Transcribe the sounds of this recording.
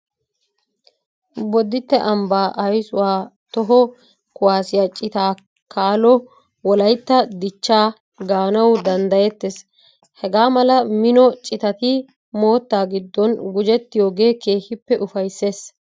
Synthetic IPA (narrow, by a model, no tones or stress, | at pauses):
bɔd̪ːɪt̪ːɛʔɐmbaːʔɐjsʊwaːt̪ɔɦɔ | kʊwaːsɪjat͡ʃʼɪt̪aː | kaːlɔ | wɔlɐjt̪ːɐd̪ɪt͡ʃːaː | ɡaːnɐwd̪ɐnd̪ɐjɛt̪ːes | hɛɡaːmɐlɐmɪnɔt͡ʃʼɪt̪ɐt̪ɪ | mo̞ːt̪ːaːɡɪd̪ːɔnɡʊd͡ʒɛt̪ːɪjo̞ːɡe̞ːke̞ːhɪpːɛʔʊfɐjsːe̞ːs